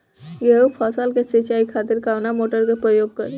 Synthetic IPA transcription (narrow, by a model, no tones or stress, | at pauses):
ɡeːupʰaːsalkesit͡ʃaːikʰaːt̪ɪɾkaːʋnamoːʈəɾkepɾəjoːɡ̚kɐɾe